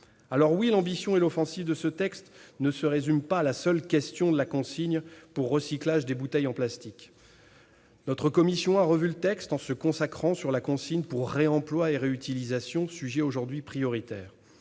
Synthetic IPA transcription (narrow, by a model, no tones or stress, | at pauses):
alɔʁwilɑ̃bisjɔ̃ɛlɔfɑ̃sivd̪əsət̪ɛkst̪nəsəʁezympalasœlkʲɛst̪jɔ̃d̪əlakɔ̃siɲpuʁːəsiklaʒd̪ebut̪ɛjɑ̃plast̪ik | nɔt̪χəkɔmisjɔ̃aʁəvylət̪ɛkst̪ɑ̃səkɔ̃sakχɑ̃syʁlakɔ̃siɲpuʁːeɑ̃plwaeʁeyt̪ilizasjɔ̃syʒɛoʒuʁd̪ɥipχijɔʁit̪ɛːʁ